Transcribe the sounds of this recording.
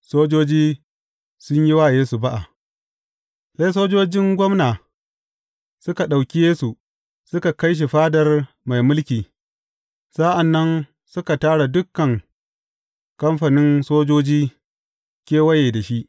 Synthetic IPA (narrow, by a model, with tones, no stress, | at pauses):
soː˦d͡ʒoː˦d͡ʒiː˦ | sʊ˦ɲji˦waː˦˨jeː˦su˨ba˦ʔa˨ | sa˦js̬oː˦d͡ʒoː˦d͡ʒɪ˦ŋɡʷɔ˦mnaː˨ | sʊ˦ka˨ɗa˨wkʲi˦jeː˦su˨ | sʊ˦ka˨kɐ˦jʃ̬i˨ɸaː˦dɐ˨r | ma˨jmʊ˦lkʲiː˨ | sa˦ʔa˨nːɐ˦n | sʊ˦ka˨taː˦ɽa˨dʊ˦kːɐ˨ŋ | kɐ˦mɸa˨nɪ˦nsoː˦d͡ʒoː˦d͡ʒiː˦ | kʲeː˦wɐ˦jeː˨da˨ʃi˦ʔ